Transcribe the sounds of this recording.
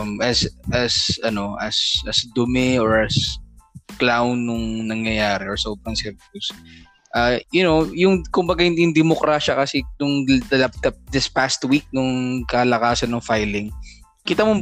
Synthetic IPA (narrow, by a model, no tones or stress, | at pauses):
mɐsʔɐsɐno̞ʔɐsʔɐsd̪ʊmɛɔɹʔɐs | klawnːʊŋnɐŋjɐjaːɾɛʔɔɹsɐoːbɾɐŋsɛvʊs | ʔɐjʊnowjʊŋkʊmbɐɡahɪnd̪jʊŋd̪ɛmokɾaʃɐkɐsɛnʊŋd̪ɐlap̚t̪ɐp̚d̪ɪspast̪wik̚nʊŋkɐlɐkaːsɐnːʊŋfajlɪŋ | kɪt̪amo